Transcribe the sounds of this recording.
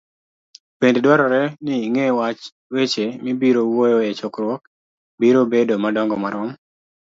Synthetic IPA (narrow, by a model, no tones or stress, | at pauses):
pendedwaɾɔɾɛnɪiŋewat͡ʃ | wet͡ʃemibiɾowojoet͡ʃokɾwɔk̚ | biɾobedomadɔŋɡɔmaɾɔm